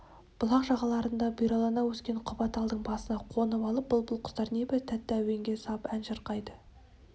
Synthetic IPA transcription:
b̥ʊlˠɑqʒɑʁɑlˠɑɾənd̪ɑbijɾɑlˠɑnɑwɵskʲe̞ɴqʰʊbɑt̪ɑlˠd̪əɴbɑsənɑqʰo̞nəpɑlˠəp̚b̥ʊlˠbʊlˠqʰʊ̥st̪ɑɾnebɪt̪ʰæt̪ːɪæwe̞ŋɡʲe̞sɑpænʒəɾqɑjd̪ə

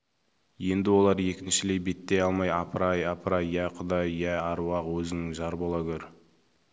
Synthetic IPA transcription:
je̞nd̪ɪwo̞lˠɑɾje̞kʲɪnʃɪle̞jbe̞t̪ːejɑlˠmɑjɑpʰəɾɑjɑpʰəɾɑjjæqʰʊd̪ɑjjæɑɾwɑqwɵzɪnɪʒɑɾbolˠɑkʲʰɵɾ

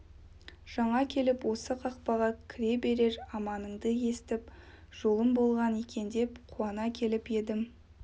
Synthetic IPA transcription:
ʒ̥ɑɴɑkʲʰe̞lɪpwo̞səqʰɑq̚pɑʁɑkʲʰɪɾe̞be̞ɾe̞ɾɑmɑnəɴd̪əje̞st̪ɪp | ʒ̥o̞lˠəmbo̞lˠʁɑnekʲʰe̞nd̪e̞pqʰuɑnɑkʲʰe̞lɪpje̞d̪ɪm

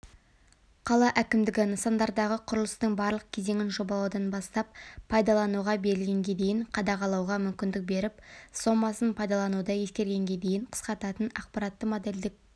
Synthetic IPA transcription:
qʰɑlˠɑʔækʲɪmd̪ɪɡʲɪnəsɑnd̪ɑɾd̪ɑʁəqʰʊɾəlˠəst̪əɴbɑɾlˠəq̚kʲʰe̞ze̞ŋɪnʒo̞bɑlˠɑwd̪ɑnbɑst̪ɑp̚pʰːɑjd̪ɑlˠɑnuʁɑbe̞ɾɪlɡʲe̞ŋɡʲe̞d̪e̞jɪɴqʰɑd̪ɑʁɑlˠɑwʁɑmʏmkʲɪnd̪ɪk̚be̞ɾɪpso̞mːɑsənpʰɑjd̪ɑlˠɑnud̪əje̞skʲe̞ɾɡʲe̞ŋɡʲe̞d̪e̞jɪɴqʰə̥sqɑt̪ɑt̪ənɑqpɑɾɑt̪ːəmod̪e̞ld̪ɪk̚

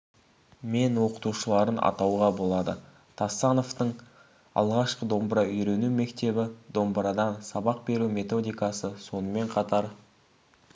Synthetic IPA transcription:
me̞nwo̞qə̥t̪uʃəlˠɑɾənɑ̰t̪ɑwʁɑbo̞lˠɑd̪ə | t̪ʰɑsːɑno̞ft̪əɴ | ɑ̰lˠʁɑʃqəd̪o̞mbɾɑʏjɾe̞nume̞kt̪e̞bɪd̪o̞mbɾɑd̪ɑnsɑbɑq̚be̞ɾume̞t̪o̞d̪ijkɑsəso̞nəme̞ɴqʰɑt̪ɑɾ

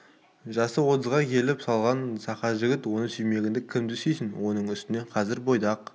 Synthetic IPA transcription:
ʒɑsəwot̪əzʁɑkʲʰe̞lɪpsɑlˠʁɑnsɑqɑʒɪɡʲɪt̪wo̞nəsɵjme̞ɡʲɪnd̪ɪkʲʰɪmd̪ɪsejsɪnwʔo̞nəɴʏst̪ɪne̞qʰɑzɪɾbo̞jd̪ɑq

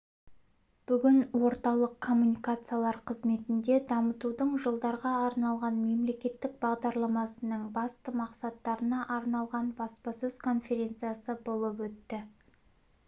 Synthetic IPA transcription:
b̥ʏɡʲɪnwo̞ɾt̪ɑlˠəqʰːo̞mːunijkat̪sɨjalˠɑɾqʰəzme̞t̪ɪnd̪e̞d̪ɑmət̪ud̪əɴʒəlˠd̪ɑɾʁɑɑɾnɑlˠʁɑnme̞mle̞kʲe̞t̪ːɪk̚bɑʁd̪ɑɾlˠɑmɑsənəɴbɑst̪əmɑqsɑt̪ːɑɾənɑʔɑɾnɑlˠʁɑnbɑspɑsɵz̥kʰo̞nfe̞ɾʲe̞nt̪sɨjasəbo̞lˠəpwɵt̪ːɪ

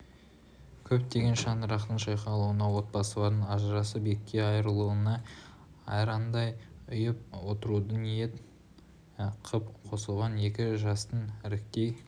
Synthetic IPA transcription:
kʲʰɵpt̪ʰe̞ɡʲe̞nʃɑnd̪əɾɑqt̪əɴʃɑjqɑlˠuənɑwo̞t̪̚pɑsəlˠɑɾd̪əɴɑʒɾɑsəbe̞kʲːe̞ɑjɾəlˠuənɑ | ɑ̰jɾɑnd̪ɑjʏjəp̚wo̞t̪əɾud̪ənije̞t̪ | qʰəpqʰo̞səlˠʁɑne̞kʲɪʒɑst̪ənɪɾɪk̚t̪e̞j

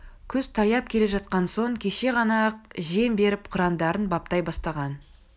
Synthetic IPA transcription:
kʲʰʏz̥t̪ʰɑjɑp̚kʲʰe̞le̞ʒɑt̪̚qɑnso̞ɴkʲʰe̞ʃe̞ʁɑnɑqʒe̞mbe̞ɾɪpqʰʊɾɑnd̪ɑɾənbɑp̚t̪ɑjbɑst̪ɑʁɑn

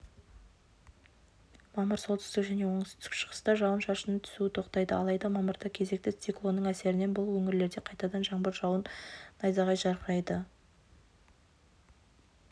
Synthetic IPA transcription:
mɑməɾso̞lˠt̪ʰʏ̥t̪ɪkʒæne̞wo̞ɴəst̪ʰʏ̥ɪ̥kʃə̥ʁə̥st̪ɑʒɑwənʃɑʃənət̪ʰʏ̥suɪt̪ʰo̞qt̪ɑjd̪əɑ̰lˠɑjd̪ɑmɑməɾd̪ɑkʲʰe̞ze̞k̚t̪ɪt̪siklˠo̞nːəɴæse̞ɾɪne̞nbʊlˠwɵŋɪɾle̞ɾd̪e̞qʰɑjt̪ɑd̪ɑnʒɑɴbəɾʒɑwənːɑjzɑʁɑjʒɑɾqʰəɾɑjd̪ə

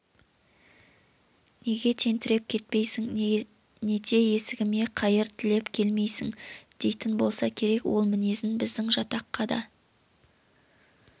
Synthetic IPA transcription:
ne̞ɡʲe̞t̪ʰe̞nt̪ɪɾe̞p̚kʲʰe̞t̪̚pe̞jsɪŋ | ne̞t̪ʰe̞e̞sɪɡʲɪme̞qʰɑjəɾt̪ʰɪle̞pkʲʰe̞lme̞jsɪŋd̪̥e̞jt̪ɪnbo̞lˠsɑkʲʰe̞ɾe̞kwʔo̞lˠmɪne̞zɪnbɪzd̪ɪŋʒɑt̪ɑqːɑd̪ɑ̰

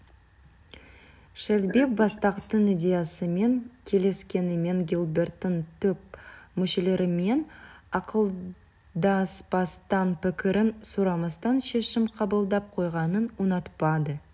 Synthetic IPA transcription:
ʃɪɾlbek̚bɑst̪ɑqt̪ənijd̪ʲe̞jasəme̞ŋkʲʰe̞le̞skʲe̞nɪme̞ŋɡʲilˠbe̞rt̪ːənt̪ʰɵp̚mʏʃe̞le̞ɾɪme̞nɑqəlˠ | d̪ɑspɑst̪ɑnpɪkʲɪɾɪnsuɾɑmɑst̪ɑnʃe̞ʃɪmqʰɑbəlˠd̪ɑp̚qʰo̞jʁɑnənwonɑt̪pɑd̪ə

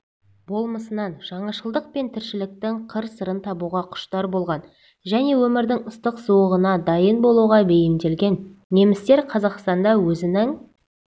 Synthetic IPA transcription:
bo̞lˠməsənɑnʒ̥ɑɴɑʃəlˠd̪əq̚pe̞nt̪ʰɪɾʃɪlɪk̚t̪ɪŋqʰəɾsəɾənt̪ʰɑbuʁɑqʰʊ̥ʃt̪ɑɾbo̞lˠʁɑn | ʒæne̞wɵmɪɾd̪ɪŋʊst̪əqsuwəʁənɑd̪ɑjənbo̞lˠuʁɑbe̞jɪmd̪e̞lɡʲe̞nːe̞mɪst̪e̞ɾqʰɑzɑqst̪ɑnd̪ɑwɵzɪnɪŋ

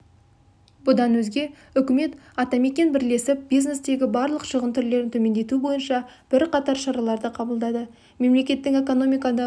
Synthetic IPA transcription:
bʊd̪ɑnwɵzɡʲe̞ | ʏkʲɪme̞t̪ɑt̪ɑme̞kʲe̞nbɪɾle̞sɪp̚bijzne̞sd̪e̞ɡʲɪbɑɾlˠəqʒəʁənt̪ʰʏɾle̞ɾɪnt̪ʰɵme̞nd̪e̞t̪ubo̞jənʃɑb̥ɪɾqʰɑt̪ɑɾʃɑɾɑlˠɑɾd̪əqʰɑbəlˠd̪ɑd̪ə | me̞mle̞kʲe̞t̪ːɪŋe̞ko̞no̞mijkɑd̪ə

